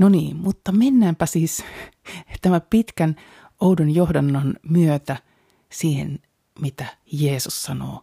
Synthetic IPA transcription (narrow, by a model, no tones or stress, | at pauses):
noniːmut̪ːɑmenːæːmpæsiːs | t̪æmæpit̪kæn | oudonjohdɑnːɑnmyøt̪æ | siːhḛn | mit̪æ | jeːsussɑno̰ː